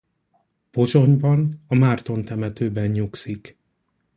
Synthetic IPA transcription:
po̞ʒo̞ɲbɒnɒmaːrt̪o̞nt̪ɛmɛt̪øːbɛɲɲuksik

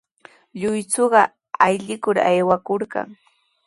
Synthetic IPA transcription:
ʎʊjt͡soɢɑ | ajʎɪkʊɾa̰jwakoɾka̰ŋ

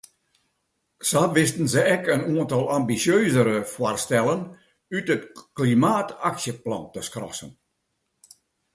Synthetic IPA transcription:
saʋɪstən̩zəɛkənuəntɔlˠambisjøːzəɾəfwarstɛlˠən | ytətklimaːtaksjəplɑ̰ntəskrɔ̰sə̰n

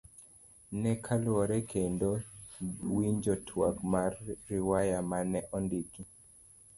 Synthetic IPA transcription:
nɛkʰalwɔɾɛkʰendo | wiɲd͡ʒɔtʰwakmarːɪwajamanɛʔɔndiki

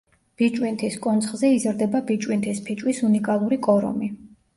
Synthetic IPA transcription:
b̥it͡ʃʼwint̪ʰiskʼɔnt̪sʰχzɛizɾd̪ɛbabit͡ʃʼwint̪ʰispʰit͡ʃʼwisunikʼalˠuɾikʼɔɾɔ̰mi

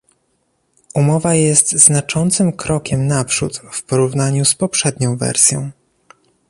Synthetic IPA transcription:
umɔvajɛst̪znat͡ʂɔnt̪sɘmkɾɔkʲɛmnapʂut̪fpɔɾuvnaɲuspɔpʂɛd̪ɲɔ̃w̃vɛ̰ɾsʲjɔ̃w̃

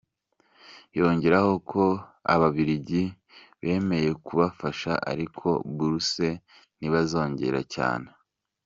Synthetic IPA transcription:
jo̞ːɲɟeɾaho̞kʰo̞a̰βaβiɾiɟi | βe̞ːme̞je̞kuβafaʃaʔa̰ɾikʰo̞̰buɾuse̞ | niβazo̞ːɲɟe̞̰ɾa̰ca̰ːne

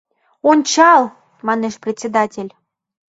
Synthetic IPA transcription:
onʲt͡ɕɑlˠ | mɑneʃprʲet̪ʲt͡sʲːed̪atʲelʲ

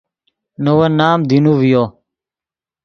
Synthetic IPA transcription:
nowənaːmd̪inuʋijoː

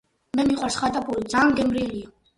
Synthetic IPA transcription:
mɛmiχwasχat̪ʼapʼuɾid̪zaːnɡɛmɾiɛlia

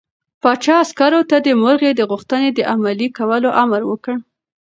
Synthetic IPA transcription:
pɑt͡ʃɑaskaɾot̪ad̪əmʊɾɣed̪əɣuxt̪əned̪əʔamalikawəloʔamaɾwəkəɽ

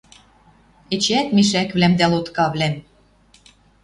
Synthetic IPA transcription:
ĕt͡ɕæt̪miʃækβlæmd̪ælot̪kɑβlæm

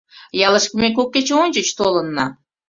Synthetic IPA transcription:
jɑləʃkə̆mek̬okːet͡ɕeonʲd͡ʑət͡ɕt̪olənːɑ

